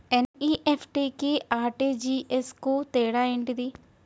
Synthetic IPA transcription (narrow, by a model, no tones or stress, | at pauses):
eniːʔepʰʈiːkiaːɾʈiːd͡ʒiːʔeskut̪ɛːɽaːeːɳʈid̪i